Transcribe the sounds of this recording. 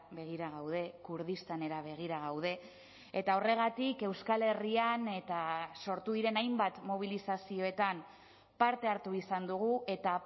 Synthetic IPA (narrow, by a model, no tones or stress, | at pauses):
be̞ɣ̞iɾaɣ̞awð̞e̞kuɾð̞ist̪ane̞ɾaβe̞ɣ̞iɾaɣ̞awð̞e̞ | et̪ao̞re̞ɣ̞at̪ike̞wskale̞riane̞t̪aso̞ɾt̪uðiɾe̞najmbat̪mo̞β̞ilisasio̞e̞t̪am | paɾt̪e̞aɾt̪uisand̪uɣ̞ue̞t̪a